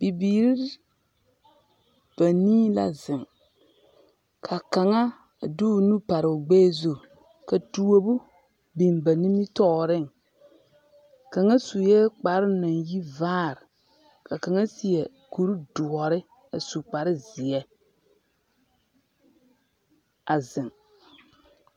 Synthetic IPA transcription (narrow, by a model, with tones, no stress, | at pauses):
b̥i˨biː˨ɾi˦ɾ | b̥a˨niː˦la̰˨zɪ˨ŋ | kʰa˨ka˨ŋa˦˨ | du˦˨nũ˦pa˨ɾɪ˨ʊ˨ɡ͡beː˦zo˨ | ka˨tu˨o˨bu˦ | bi˨mba˨ni˦mi˦tɔː˦ɾɪ˦˨ŋ | ka˨ŋa˦su˨jɛː˦k͡pa˨ɾɪ˦na˨nji˦vaː˦˨ɾɪ˨ | kʰa˨ka˨ŋa˦si˨ɛ˨ | ku˨ɾu˦dʊ˨ɔ˨ɾɪ˦ | a˨su˨k͡pa˨ɾɪ˦zɪ˨ɛ˦ | a˨zɪ˨ŋ